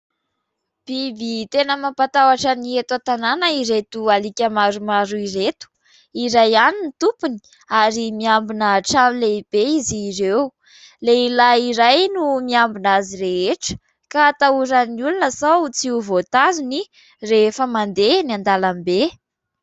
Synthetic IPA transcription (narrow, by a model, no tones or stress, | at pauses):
b̥ibit̪enəmampat̪awaʈ͡ʂəniet̪uat̪ananəiɾet̪ualikʲəmaɾumaɾuiɾet̪u̥ | iɾajaninit̪upuni̥ | aɾimiambinaʈ͡ʂamileib̥eiziːrew | leilaiɾajnumiambinaziɾeɦeʈ͡ʂə̥ | kat̪auɾaniulunəsaut͡siuvot̪azuni | reefəmand̪enand̪alambe